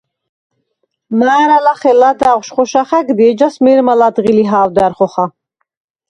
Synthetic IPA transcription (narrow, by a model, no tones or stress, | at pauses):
maːɾalaχɛlad̪aʁʃχɔʃaχɛɡd̪id͡ʒasmɛɾmalad̪ʁiliɦaːwd̪aɾχɔχa